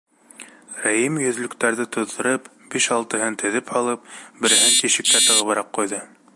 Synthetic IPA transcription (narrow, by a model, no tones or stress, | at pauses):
ɾæjimjɵ̆ðlɵ̆kt̪æɾðɘt̪ŏðɤ̆ɾɤpb̥iʃɑlˠt̪ɤ̆ɦɤnt̪ʰɵ̆ðɘphɑlˠɤp̚bɘ̆ɾɘ̆ɦɘnt̪iʃɘ̆k̚kːæt̪ɤ̆ʁɤ̆βɤ̆ɾɑqqːujðɤ